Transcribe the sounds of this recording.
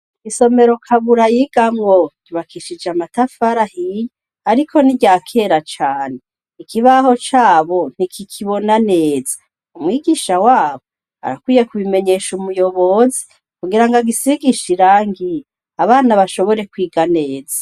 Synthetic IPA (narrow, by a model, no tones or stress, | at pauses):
iɡ̥iso̞me̞ɾo̞kʰaβuɾajiɡ̥amŋoɟ̥uβakʰiʃid͡ʒeamatafaɾahije | aɾikʰo̞niɟaːkʰe̞ːɾat͡ʃaːne | ikʰiβaɦo̞t͡ʃaːβo̞n̥ikʰikʰiβo̞naneːz̥a | umŋwiːɡiːʃawaːβo | a̰ɾa̰kwiːjekuβime̞ɲe̞ːʃumujo̞βo̞zi | kuɡiɾaŋɡaɡisiɡiʃiɾaːŋɡi | aβaːnaβaʃo̞βo̞ɾe̞kwiːɡane̞ːzḁ